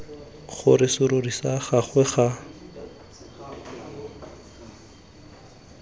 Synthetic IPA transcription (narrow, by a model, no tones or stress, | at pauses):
χʊ̰rɪsʊɾʊrisaχaχwɛχa